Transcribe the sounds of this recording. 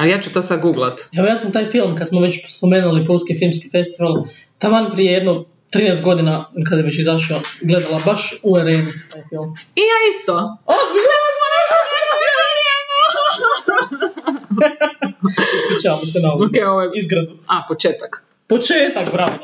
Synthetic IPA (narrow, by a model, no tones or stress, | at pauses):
alijaːt͡ʃut̪osad̪ɡuːɡlat̪eʋojaːsamt̪aːjfilˠmkad̪smoʋet͡ɕspome̞ːnulipolskifilˠmski̥fe̞st̪iʋalˠ | t̪amanpɾijeje̞d̪no | t̪ɾinest̪̚ɡo̞d̪inakad̪jeʋet͡ɕizaʃioɡle̞d̪alˠabaʃueɾeːnut̪aːjfilˠmijaːist̪oosmizelismoɾazaeaeaɾie | ispit͡ʃaamosenaookeoʋoizɡɾad̪uapot͡ʃeːt̪ak | pot͡ʃeːt̪akbɾa